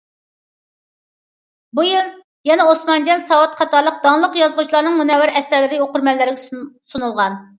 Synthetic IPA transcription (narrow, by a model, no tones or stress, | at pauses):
bujilˠ | jɛnɛosmɑnd͡ʒɑnsɑwɑt̪qʰɑt̪ɑɾlˠəq̚d̪ɑŋlˠəqjɑzʁut͡ʃʰlˠɑɾnɨŋmunɛwɪɾɛsːæɾlɪɾɪoqʊɾmɛlːɪɾɪɡʲsunulˠʁɑn